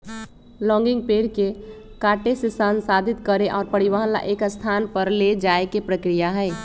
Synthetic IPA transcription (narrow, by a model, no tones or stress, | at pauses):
lɔ̃ːŋɡɪ̃ŋɡ̚peːɾke | kaːʈesesansaːd̪ʱɪt̪kəɾeʔɔːɾpəɽɪʋaːɦnla̰ʔeːkst̪ʰaːnpəɾled͡ʒaːekepɾəkɾijaɦɛː